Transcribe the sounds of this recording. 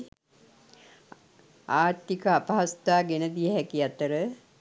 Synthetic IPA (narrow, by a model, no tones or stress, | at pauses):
aːɾt̪ikəapaɦast̪aːɡenəd̪ijəɦækiat̪əɾə